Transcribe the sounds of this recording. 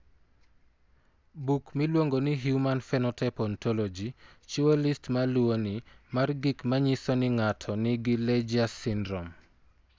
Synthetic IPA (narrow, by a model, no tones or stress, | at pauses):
bukmilwoŋɡonɪɦjumanfɛnɔtʰɛpɔntʰɔlod͡ʒi | t͡ʃuolistmalwonimarɡikmaɲisɔnɪŋatʰɔnɪɡɪled͡ʒiasɪndɾɔm